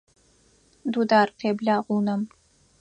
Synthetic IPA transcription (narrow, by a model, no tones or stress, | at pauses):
duːdaːrqeːbɮaːʁʷuːnɐm